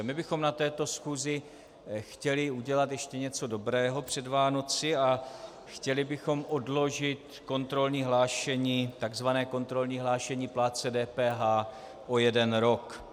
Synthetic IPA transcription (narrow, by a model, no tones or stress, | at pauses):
mɪbɪxo̞mnat̪ɛːt̪o̞sxuːzɪ | xcɛlɪuɟɛlat̪jɛʃcɛɲɛt͡so̞do̞bɾɛːɦo̞pr̝̥ɛdvaːno̞t͡sɪa | xcɛlɪbɪxo̞mʔo̞dlo̞ʒɪt̪ | ko̞nt̪ɾo̞lɲiːɦlaːʃɛɲiːt̪aɡzvanɛːko̞nt̪ɾo̞lɲiːɦlaːʃɛɲiːplaːt͡sɛdɛːpɛːɦaː | ʔo̞jɛdɛnɾo̞k